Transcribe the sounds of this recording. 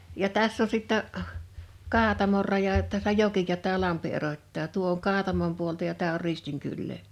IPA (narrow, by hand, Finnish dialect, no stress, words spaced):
jɑ tæsː on sitːæ kɑːtɑmor rɑjɑ tæsːæ joki jɑ tæː lɑmpi erotʲtɑː tuo oŋ kɑːtɑmom puoltɑ jɑ tæː or ristiŋ kylːeː